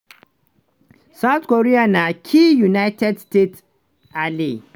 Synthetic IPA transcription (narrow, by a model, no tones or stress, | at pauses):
sawt̪koɾijanakʲʰiːjunajtɛdstet | ʔali